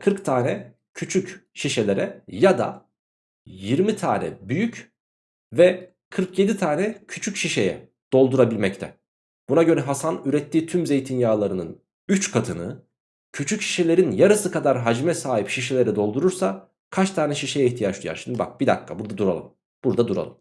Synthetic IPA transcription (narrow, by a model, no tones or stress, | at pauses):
kʰɯɾkt̪ʰaːnɛ | cʰyt͡ʃʰycʃiʃe̞lʲe̞ɾɛjad̪a̰ | jiɾmit̪ʰa̰ːnɛ̰byjyc | vɛ | kʰɯɾkje̞d̪it̪ʰaːnɛcʰyt͡ʃʰycʃiʃe̞jɛ̰ | d̪̥o̞lˠd̪uɾabilʲmɛct̪ʰɛ̰ | b̥unaɟø̞ɾɛɦasanyɾɛt̪ʰːiːt̪ʰymze̞jt̪ʰinjaːlˠaɾɯnɯn | yt͡ʃkʰat̪ʰɯnɯ̰ | cʰyt͡ʃʰycʃi̥ʃe̞lʲe̞ɾinjaɾɯsɯkad̪aɾɦad͡ʒmɛsaːɦipʃiʃ̬elʲe̞ɾɛd̪o̞lˠd̪uɾuɾsa | kʰat͡ʃt̪ʰaːnɛʃiʃejɛiçt̪ʰijat͡ʃlˠija̰ɾʃimd̪iba̰k̚b̥id̪a̰kʰːa̰buɾd̪ad̪uɾalˠɯ̰m | b̥uɾd̪ad̪uɾa̰lˠɯm